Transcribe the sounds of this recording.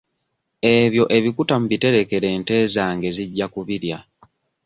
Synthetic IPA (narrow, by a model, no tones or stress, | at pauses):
e̞βjo̞ʔe̞βikutamuβite̞ɾe̞ke̞ɾe̞ːnte̞ːzaŋɡe̞ziɟːakuβiɾja